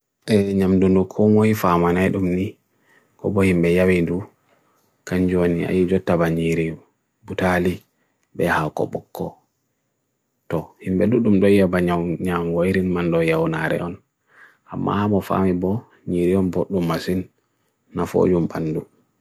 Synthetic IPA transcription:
ʔɛɲamdundukʰɔmoifamanajɗumni | kɔ̰bɔhimbɛjawindu | kaɲd͡ʒuonia̰jid͡ʒɔtːabaɲiɾi | butali | bɛhakɔ̰bɔkʰːɔ̰ | tɔhimbɛɗuɗumɗɔjabaɲaɲaŋɡojɾinmandɔjawnaɾɛ̰ʔɔn | ʔa̰mːa̰hamɔfa̰mibɔ | ɲiɾiɔnboɗːumːasinː | afo̰d͡ʒumbanːdu

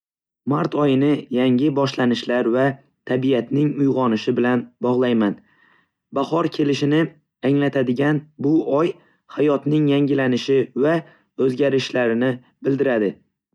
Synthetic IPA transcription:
maɾt̪ʰɒjɪnɪjaŋʲɪbɒʃlanɪʃlaɾva | t̪ʰabijat̪nɪŋʊjʁɒnɪʃɪbɪlanbɒʁlˠajman | bahɒɾkʲʰe̞lɪʃɪnɪ | aŋlat̪ʰad̪ɪɡʲanbʊɒj | hajɒt̪nɪŋjaŋʲɪlanɪʃɪva | ɵzɡʲaɾɪʃlaɾɪnɪ | bɪld̪ɪɾad̪ɪ

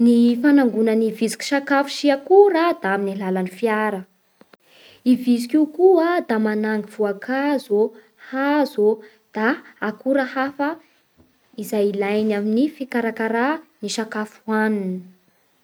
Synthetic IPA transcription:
nifanaŋɡunənivizi̥kʲi̥ʃakafu̥ʃiakuɾad̪aaminalalanifiaɾə | ivizikikuad̪amanaŋɡiv̥uakʰazo | hazo | d̪̥aːkuɾəhafə | izajilajnaminifikaɾakaɾaniʃakafuanini

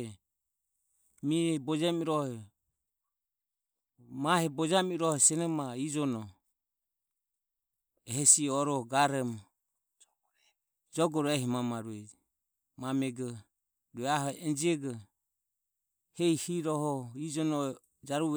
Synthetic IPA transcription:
miɛbɔd͡ʒamiɾɔhɛ | mahɛbɔd͡ʒamiɾɔhɛsɛnɔmaid͡ʒɔnɔ | ɛɦɛsiɔɾɔɡaɾɛm | d͡ʒɔɡɔɾɛhimamaɾuɛ | mamɛɡɔ | ɾuɛaɦɔɛnd͡ʒiɛɡɔ | hɛihiɾɔhɔid͡ʒɔnɔ | d͡ʒaɾu

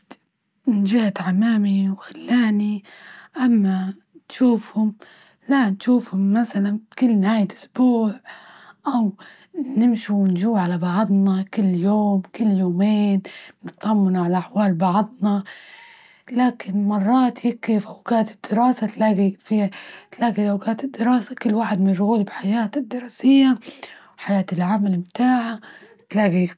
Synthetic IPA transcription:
nd͡ʒɪhat̪ʕamaːmiwxalːaːniʔamːa | nʃuːfhʊm | lanʃuːfhʊmːaθalankʊlːnhaːjɪlʔʊsb̥uːʕʔaw | nɪmʃuwnʒuːʕalabɑʕðˤnakɪlːjoːmkɪlːjoːmeːnnɪt̪ːɑmːɪnʕalaʔaħwaːlbɑʕðˤnɑ | laːkʰɪnmɑrˤːɑːt̪jɪkːɪfʔawɡaːt̪ɪd̪̥ːɪɾɑːsat̪laːɡifiːt̪laːɡiʔawɡaːt̪ɪd̪ːɪɾɑːsakɪlːwaːħɪd̪mɪnɾˤʊɣuːlbɪħajaːt̪ɪd̪ːɪɾˤɑːsɪjːa | ħajaːt̪ɪlʕamalɪmt̪aːʕa | t̪laːɡi

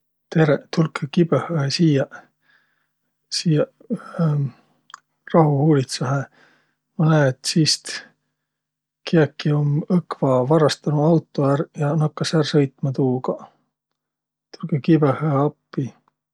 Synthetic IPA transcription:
t̪eɾet̪ulkekibehɑesiːjɑ | siːjɑ | rɑɦuhuːlit̪sɑɦe | mɑnæːt̪siːst̪ | kiɑkːiomɤkvɑvɑrɑst̪ɑnuɑwt̪ːˑoærjɑnɑkːɑsæːrsɤjt̪mɑt̪uːɡ̥ɑ | t̪ulkekibehɑeɑpːi

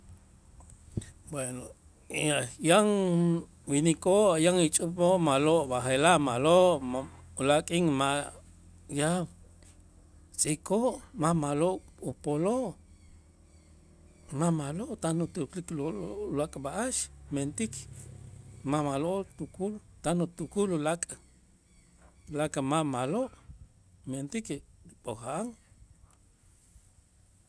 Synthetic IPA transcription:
bweno | ajaŋ | winikoʔjaŋit͡ʃʼupoʔmaloʔbaxelaʔmaloʔʔulakʼiŋma | jaw | t͡sʼikʰoʔmamaloʔupoloʔ | mamaloʔt̪anut̪ukliklolakʼbaʔaʃment̪ik | mamaloʔt̪ukult̪anut̪ukululakʼ | lakʼamamaloʔ | ment̪ikɾiɓʼoxaʔaŋ

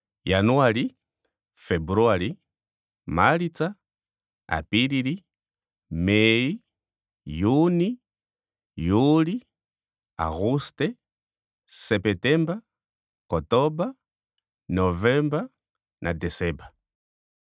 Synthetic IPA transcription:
januali | fɛbuɾuali | malit͡sa | a̰piɾiɾi | mɛi | juni | juli | a̰ɣustɛ | sɛpɛtɛmba | kɔtɔba | nɔvɛmba | nʔa̰dɛsɛba

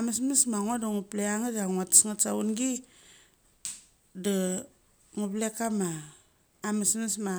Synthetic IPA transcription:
amismismaŋodaŋupleaŋadaŋatsŋasaunɡi | da | ŋuplekamaː | mismisma

